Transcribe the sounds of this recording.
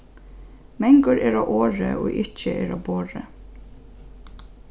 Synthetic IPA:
mɛŋɡʊɹeːɹoːʔoːɹə̰ʔo̰ːʔɪc͡çəʔeːɾoːboːɹə

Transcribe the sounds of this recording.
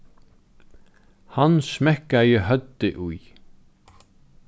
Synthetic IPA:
hansmɛhkajəhœt̪ːɪʔui

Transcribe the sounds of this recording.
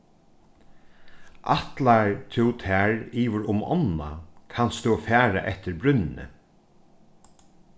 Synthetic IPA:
ʔat̪laɹt̪ʰɪwt̪ʰæːɹiːʋɪɾʊmɔ̰nːa̰kʰanst̪ufæːɾaʔɛht̪ɪɾbɾʏnɪnə̰

